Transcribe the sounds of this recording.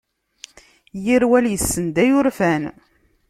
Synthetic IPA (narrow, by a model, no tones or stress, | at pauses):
jiɾwæljəsːənd̪æjʊɾfæn